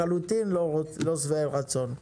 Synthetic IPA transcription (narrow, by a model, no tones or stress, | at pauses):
alut̪inlolosvaeʁat͡so̞n